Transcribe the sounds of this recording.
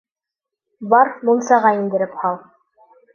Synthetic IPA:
bɑɾmunsɑʁɑind̪ɘ̆ɾɘphɑlˠ

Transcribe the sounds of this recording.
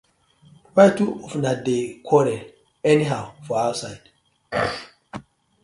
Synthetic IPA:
wajtuɔfnadekʰwɔɾɛ | ɛniɦawfɔawsajd̥

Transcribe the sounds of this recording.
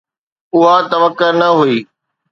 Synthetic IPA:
ʊɦat̪ɐʋəkːənɐɦuiː

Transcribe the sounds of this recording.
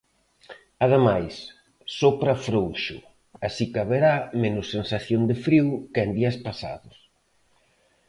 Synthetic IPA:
aðemajs | sopɾafɾowʃʊ̰ | asikaβeɾamenʊsːensaθjond̪ɪfɾiwkend̪iɐspasa̰ðʊs

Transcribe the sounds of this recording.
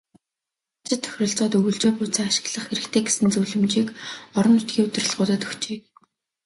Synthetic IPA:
t͡ɕɪ̆t̪ʰːœ̥xʲrʲɪ̆ɬt͡sɔːt̪ɵɣɵ̆ɮt͡ɕeːpuːt͡saːaʃɪ̥̆ɣɮə̆χxeɾɘ̆kt̪ʰeːɡesɘ̆nt͡suwɮɘ̆mt͡ɕiːkɔɾɞ̆nːʊt̪ɡʲiːɵt̪ɪ̆r̆ɮʁʊːt̪əːt̪ɵ̥xt͡ɕiː

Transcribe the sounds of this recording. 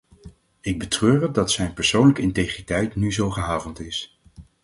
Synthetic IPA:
ɪɡ̚bətrøːrədɑtsɛjnpɛɹsownləkəɪntejχritɛjtnyzowχəɦaːvəlnˠtɪs

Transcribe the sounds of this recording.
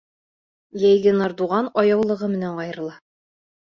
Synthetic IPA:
jæjɡɘnɑɾd̪uʁɑnɒjɑwlˠɤ̆ʁɤmɘ̆næɴɒjɤ̆ɾɤ̆lˠɑ

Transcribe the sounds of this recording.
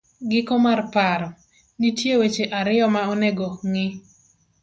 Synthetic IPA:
ɡɪkomarpaɾɔ | nitjewet͡ʃeʔaɾɪɔmaoneɡoŋɪ

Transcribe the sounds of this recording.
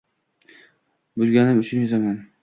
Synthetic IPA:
bʊzɡʲanɪmʊt͡ʃʰʊnjozaman

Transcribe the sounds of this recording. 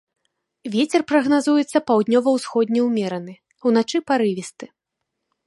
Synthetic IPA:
vʲet͡sʲɛrpɾɐɣnazujɛt̪sːɐpawd̪ʲnʲɔvɐwsxɔd̪ʲnʲɛwmʲɛɾɐnɨ | wn̪at͡ʂɨpaɾɨvʲist̪ɨ̥

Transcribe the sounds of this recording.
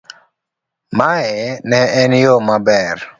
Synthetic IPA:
maɛnɛɛnjomabɛr

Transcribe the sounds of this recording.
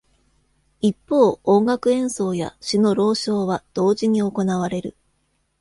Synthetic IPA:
ipːo̞ːõŋɡakɯ̟ẽ̞ɰ̃so̞ːja̰ɕino̞ɾo̞ːɕo̞ːβad̪̥o̞ːʑiɲ̟io̞ko̞naβ̞aɾe̞ɾɯ̟̰

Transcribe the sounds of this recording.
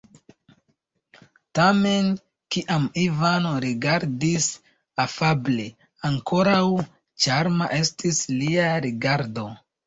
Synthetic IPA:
tame̞n | kiʔamivano̞ɾiɡaɾdis | afable | aŋkʰo̞ɾaw | t͡ʃaɾmaʔe̞stʰisliaɾiɡaɾdo̞

